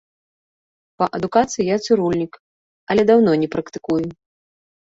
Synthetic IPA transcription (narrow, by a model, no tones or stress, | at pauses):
pɐʔɐd̪ukat̪sɨjijat̪sɨɾulʲnʲik | ɐlʲɛd̪awnɔnʲɛpɾɐkt̪ɨ̥kuju